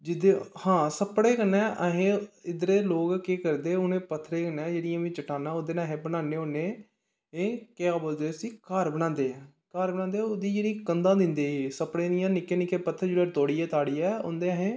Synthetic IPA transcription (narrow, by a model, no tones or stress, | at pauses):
d͡ʒɪd̪eːhãːsəpɽeːkənɛ̃ːʔəɦẽːɪd̪ɾeːloːɡkeːkəɾd̪eːʊnẽːpət̪ʰːɾeːkənɛ̃ːd͡ʒeːɽɪjãːʋĩːt͡ʃəʈaːnãːoːd̪eːnãːɦẽːbənaːneːoːneː | eːkeːaːboːld̪eːəsiːkaːɾbəɽ̃ãːnd̪eːɛː | kaːɾbənãːnd̪eːod̪iːd͡ʒeːɽĩːkənd̪ãːd̪ɪ̃nd̪eːiːsəpɽeːd̪ijãːnɪkːeːnɪkeːpət̪ʰːəɾd͡ʒeːɽeːt̪oːɽiːɛːt̪aːɽiːɛːʊ̰nd̪eːəɦẽː